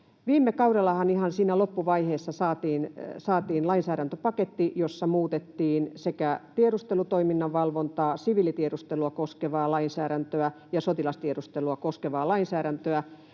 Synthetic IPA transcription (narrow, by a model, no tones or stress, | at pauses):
ʋiːmːekɑuɾelːˑɑhɑnihɑnsiːnælopːuʋɑiheːsːɑsɑːt̪iːnsɑːt̪iːnlɑinsæːɾænt̪øpɑket̪ːijosːɑmuːt̪et̪ːiːnsekæt̪ieɾust̪elut̪oiminːɑʋʋɑlʋont̪ɑːsiʋiːlit̪ieɾust̪eluɑkoskeʋɑːlɑinsæːɾænt̪øæ | jɑsot̪ilɑst̪ieɾust̪eluɑkoskeʋɑːlɑinsæːɾænt̪øæ